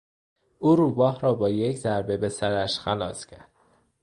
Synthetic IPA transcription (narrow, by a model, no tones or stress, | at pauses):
uːɾuːbɒːɦɾɒːbɒːjeczæɾbe̞be̞sæɾæʃxælɒːscʰæɾd̪̥